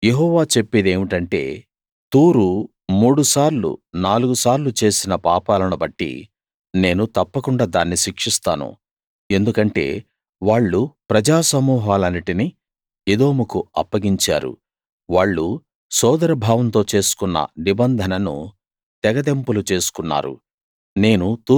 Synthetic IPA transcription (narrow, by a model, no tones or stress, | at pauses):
jeɦɔːʋaːt͡ʃe̞pːid̪e̞ːʋiʈɐɳʈe̞̰ː | t̪uːɾu | muːɽusaːɾlṵnaːluɡusaːɾlut͡ʃe̞ːsinɐpaːpaːlɐnubɐʈːḭ | ne̞ːnut̪ɐpːɐkuɳɖaːd̪aːnːiʃikʂist̪aːnṵ | e̞nd̪ukɐɳʈe̞̰ː | ʋaːɭːupɾɐd͡ʒaːsɐmuːɦaːlɐniʈini | ed̪o̞ːmukuɐpːɐɡiɲt͡ʃa̰ːɾṵ | ʋaːɭːu | sɔːd̪ɐɾɐbʱaːʋɐnt̪o̞ːt͡ʃe̞ːsu̥kunːɐ̰nibɐnd̪ʱɐnɐnṵ | t̪ɛɡɐd̪e̞mpulut͡ʃe̞ːsu̥kunːa̰ːɾṵ | ne̞ːnut̪uː